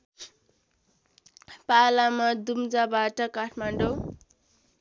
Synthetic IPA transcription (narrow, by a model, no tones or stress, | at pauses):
palamʌd̪umd͡zabaʈʌkaʈʰmaɳɖo